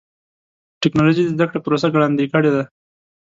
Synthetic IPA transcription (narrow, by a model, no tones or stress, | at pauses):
ʈɪknɑloʒid̪əzd̪akɽepɾosaɡɽɑnd̪ekəɽed̪a